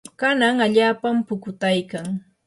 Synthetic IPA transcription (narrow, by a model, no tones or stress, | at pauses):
kanaŋaʎaːpampʊkʊt̪ajkaŋ